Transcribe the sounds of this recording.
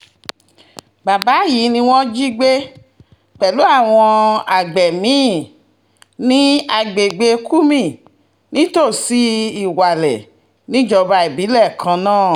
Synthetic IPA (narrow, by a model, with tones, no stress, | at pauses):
ba˨ba˨˦ji˨˦nĩ˧w̃ɔ̃˦d͡ʒi˦ɡ͡be˦ | k͡pɛ˨lu˨˦a˦˨w̃ɔ̃˧a˨ɡ͡bɛ˨mĩ˨˦ | nĩ˦a˨ɡ͡be˨ɡ͡be˧kʰu˦mĩ˦˨ | nĩ˦to˦˨si˦i˨wa˨lɛ̰˨ | nĩ˦d͡ʒɔ˧ba˧i˨bi˨˦lɛ˦˨kʰã˧nãː˦˨